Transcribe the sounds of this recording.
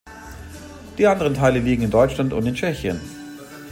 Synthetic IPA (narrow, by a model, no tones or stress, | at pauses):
d̥iːʔandəʁ̞əntʰaɪləliːɡŋ̩ɪndɔʏtt͡ʃlantʊ̰ntɪnt͡ʃɛçjən